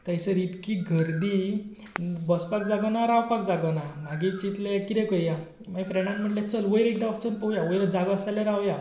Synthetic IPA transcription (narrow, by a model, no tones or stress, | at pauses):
t̪əjsəɾit̪kiɡʱəɾd̪i | bɔspak̚d͡zaɡənaɾawpak̚d͡zaɡənam̤aɡit͡ɕit̪lekit̪ɛkəɾja | m̤aifɾɛɽ̃ãnm̤əʈlat͡səlʋəjɾek̚d̪aəft͡sənpəɦjaʋəjɾd͡zaɡʋasalẽɾawja